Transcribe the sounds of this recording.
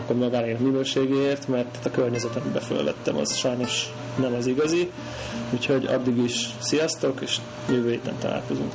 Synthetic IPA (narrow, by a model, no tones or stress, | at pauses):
kːormimɒɡaːneːlminøːʃeːɡeːeːrt̪mɛrt̪t̪ɒkørɲɛzɛt̪ɒmibɛfø̰lvɛ̰t̪ːɛmɒ̰zʃɒjnoʃ | nɛmɒziɡɒzi | uːcho̞ɟɒ̰d̪ːiɡiʃsijɒst̪o̞keːʃ | møːveːt̪ɛ̰nt̪ɒ̰la̰ːlko̞zṵŋk